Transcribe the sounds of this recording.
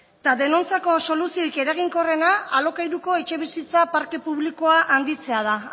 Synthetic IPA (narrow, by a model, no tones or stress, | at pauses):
t̪aðe̞no̞nt͡sako̞so̞lusioike̞ɾaɣiŋko̞re̞naalo̞kajɾuko̞et͡ʃe̞β̞isit͡sapaɾke̞puβliko̞aʔand̪it͡se̞að̞a